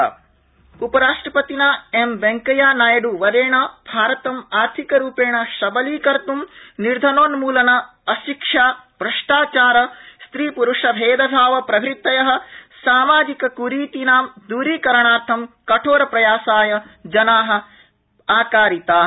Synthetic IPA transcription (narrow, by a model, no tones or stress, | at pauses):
upɐɾaːʂʈɾɐpɐt̪inaːemʋeŋkɐjaːnaːjɐɖuʋɐd̪eːɳɐbʱaːɾɐt̪ɐmaːɾt̪ʰikɐɾuːpeːɳɐʃɐbɐliːkɐɾt̪umniɾd̪ʱɐnoːnmuːlɐnɐ | ɐʃikʂaːbɾɐʂʈaːt͡ʃaːɾɐst̪ɾiːpuɾuʂɐbʱeːd̪ɐbʱaːʋɐpɾɐbʱɾit̪ːɐjɐɦɐ̆saːmaːd͡ʒ̪ikɐkuɾiːt̪inaːmd̪uːɾiːkɐɾɐɳaːɾt̪ʰɐmkɐʈʰoːɾɐpɾɐjaːsaːjɐd͡ʒɐnaːɦɐ̆ | aːkaːɾit̪aː